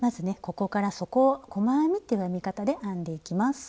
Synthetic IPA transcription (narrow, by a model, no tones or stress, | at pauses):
mazɨne̞ko̞ko̞kaɾaso̞ko̞ko̞maamʲit̪ːejɯjamʲikat̪ad̪e̞ʔãnd̪e̞ikʲimasɨ̥